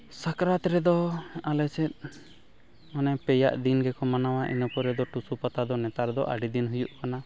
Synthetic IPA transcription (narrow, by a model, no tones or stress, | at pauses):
sakɾat̪ɾɛd̪ɔalɛsɛt̪̚ | ɔnɛpɛja̰ʔd̪inɡɛkɔmanawaʔḭnɔpɔɾɛd̪ɔʈusupat̪ad̪ɔnɛt̪aɾd̪ɔ̰ʔa̰ɖid̪inɦujuʔkana